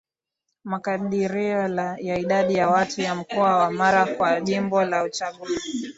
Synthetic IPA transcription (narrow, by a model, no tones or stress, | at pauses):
makaɗiɾiɔljaiɗaɗijawatʰujam̩kɔawamaɾakwaʄimbɔlaut͡ʃaɠuzi